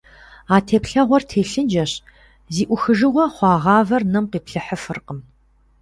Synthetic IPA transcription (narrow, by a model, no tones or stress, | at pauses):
aːtʰeːpɬɐʁʷɔrtʰeːɬɨnd͡ʒɐɕ | ziːʔʷʊxɨʒɨʁʷɔχʷɑːʁɑːvɐrnɐmqiːpɬɨħəfɨrqəm